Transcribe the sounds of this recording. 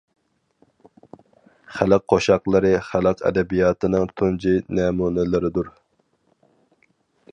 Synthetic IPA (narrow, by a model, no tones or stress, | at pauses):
χælˠɪq̚qʰːoʃɑqlˠɨɾɨχælˠəqʰɛ̰d̪ɛbijɑːt̪ʰɨnɨŋt̪ʰund͡ʒinɛmuːnɪlˠɨɾɨd̪uɾ